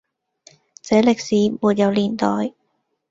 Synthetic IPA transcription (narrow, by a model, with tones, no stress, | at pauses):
t͡sɛː˨˥lɪ˨k̚siː˨˥muː˨t̚jɐ˨˧wliː˨˩nt̪ɔː˨˩j